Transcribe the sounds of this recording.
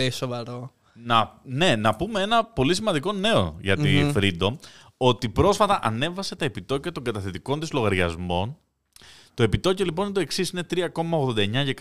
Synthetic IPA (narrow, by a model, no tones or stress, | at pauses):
esovɐɾo | nɐne̞nɐpumee̞nɐpo̞lisimɐnd̪iko̞ne̞o̞̰ʝɐt̪ifɾid̪o̞ | o̞t̪ipɾo̞sfɐt̪ɐʔɐne̞vɐse̞t̪ɐe̞pit̪o̞cɐt̪o̞ŋɡɐt̪ɐθet̪iko̞nt̪izlo̞ɣɐɾʝɐ̰zmo̞n | t̪o̞e̞pit̪o̞colipo̞nit̪o̞e̞ksisine̞t̪ɾiɐko̞mɐo̞ɣðo̞nd̪ɐeɲɐʝek